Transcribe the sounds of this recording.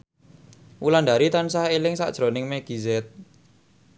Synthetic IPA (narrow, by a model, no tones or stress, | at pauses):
ʔulanda̤ɾit̪ansahelɪŋsa̰ʔʒ̥ɾonɪŋmeɡ̥izɛt̪̚